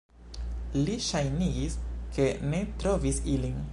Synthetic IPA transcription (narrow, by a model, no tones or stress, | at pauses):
liʃajniɡiskʰe̞ne̞tɾo̞visilin